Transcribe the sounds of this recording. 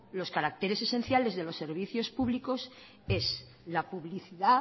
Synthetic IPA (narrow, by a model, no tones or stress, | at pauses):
lo̞skaɾak̚t̪eɾe̞se̞se̞n̟θjale̞zðe̞lo̞sːe̞ɾβ̞iθjo̞spuβliko̞s | e̞s | lapuβliθiða